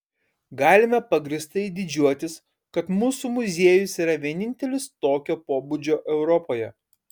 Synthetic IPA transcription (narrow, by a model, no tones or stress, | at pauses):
ɡɑːlʲɪmʲɛpɐɡɾʲɪst̪ɐɪd̪ʲɪd͡ʒʲuɔt̪ʲɪs | kɐt̪muːsumʊzʲeɛjʊsiːɾɐʋʲiɛnʲɪnʲt̪ʲɛlʲɪst̪oːkʲoːpoːbud͡ʒʲoːʔɛʊɾɔpoːjɛ